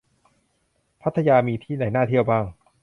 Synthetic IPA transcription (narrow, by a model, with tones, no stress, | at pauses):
pʰa˦˥t̪ʰːa˧jaː˧miː˧t̪ʰiː˥˩naː˩˦jnaː˥˩t̪ʰi˥˩əwbaː˥˩ŋ